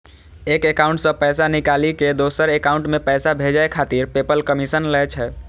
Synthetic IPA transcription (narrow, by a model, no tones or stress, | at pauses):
ekekauɳʈsəpɛjsanikaliked̪osəɾekauɳʈmepɛjsabʱed͡ʒaekʰat̪iɾpepəlkəmisənlɛt͡ʃʰɛ